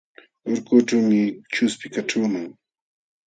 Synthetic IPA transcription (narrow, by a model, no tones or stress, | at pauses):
oɾkʊʈ͡ʂawmɪt͡ʃʊspɪkaʈ͡ʂaːmaŋ